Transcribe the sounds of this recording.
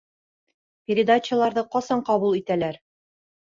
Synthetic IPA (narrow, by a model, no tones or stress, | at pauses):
pʲɪɾʲɪd̪at͡ɕə̆lˠɑɾðɤqɒsɑɴqɑβulˠit̪ælæɾ